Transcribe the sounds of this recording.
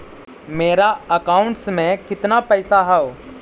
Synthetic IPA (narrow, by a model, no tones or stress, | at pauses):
meːɾaɐkaːʊ̃ɳʈsmẽkɪt̪napɛːsaɦɛoː